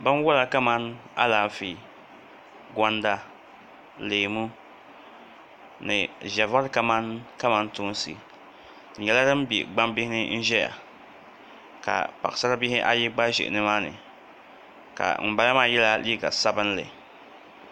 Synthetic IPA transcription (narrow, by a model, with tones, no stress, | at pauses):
bɨ˦n˦wʊ˦la˨ka˦ma˦na̰˦laː˨fi˨ | ɡʷa˦nda˦ | leː˨mu˦ | nɨ̰˨ʒa˨va˦ɾka˦ma˦nka˦ma˦n˦tʊ˦n˦sɨ̰˨ | n̩˨jɛ˨la˦dɨ˦m˦bḭ˨ɡ͡ba˦mbɪ˦hɪ˦nɨ˦n̩˦ʒɛ˦ja̰˨ | ka̰˨pa˨sa˦ɾa˦bɪ˦hɪ˦ʔa̰˦jɪ˦ɡ͡ba˦ʒɪ̰˨ʔnɨ˦maː˦nɨ̰˨ | ka̰˨m̩˨ba˨la˦maː˦˨jɛ˦la˦li˦ɡa˨sa˦bɨ˦n˦lɨ̰˨